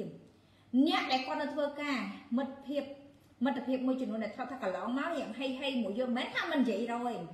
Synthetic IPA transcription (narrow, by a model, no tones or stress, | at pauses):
əm | nɛ̆əʔɗaɛlkŏət̪̚nɨt̪ʰʋəːkaːmɨt̪pʰiəp̚ | mɨt̪ʰːepʰiəp̚muəjt͡ɕɔmnuənɗat̪ʰlət̪̚ʰaːkɑlɑːŋmaɲɛ̆əŋɦəjɦəjmuəjːoːlmɛːnt̪ʰaːmɨnjiəjrɔːj